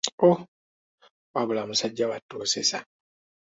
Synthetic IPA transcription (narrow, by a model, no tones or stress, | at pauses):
o | abʊlamʊsad͡ʒawatosesa